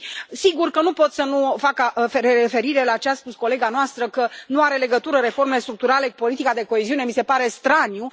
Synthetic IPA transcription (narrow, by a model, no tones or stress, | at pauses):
siɡurkənupo̞t̪sənufakaɾefe̞ɾiɾe̞lat͡ʃeaspusko̞le̞ɡanoast̪ɾəkənuaɾe̞le̞ɡət̪uɾəɾe̞fo̞rme̞lest̪ɾuk̚t̪uɾale̞kupo̞lit̪ikad̪e̞ko̞eziune̞mise̞paɾe̞st̪ɾanju